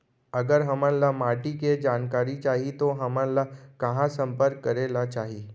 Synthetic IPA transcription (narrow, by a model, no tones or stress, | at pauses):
əɡəɾɦəmə̃nlamaːʈiked͡ʒaːnkaːɾit͡ʃaːɦit̪oɦəmə̃nlakəɦãsə̃mpəɾkːəɾelat͡ʃaːɦiː